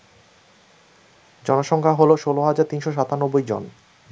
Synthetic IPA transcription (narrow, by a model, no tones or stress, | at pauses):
d͡ʑɔnoʃɔŋkʰaɦoloʃoloɦad͡ʑaɾt̪inʃoʃ̬at̪anobːojd͡ʑo̰n